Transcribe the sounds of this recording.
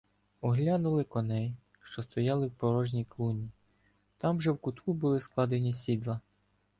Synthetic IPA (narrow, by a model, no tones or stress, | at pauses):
ɔɦlʲanʊlˠɪkɔnɛj | ʃt͡ʃɔst̪ɔjɑlˠɪwpɔɾɔʒnʲijklˠunʲi | t̪ɑmʒɛwkʊt̪kubʊlˠɪsklˠɑd̪enʲisʲid̪lˠɐ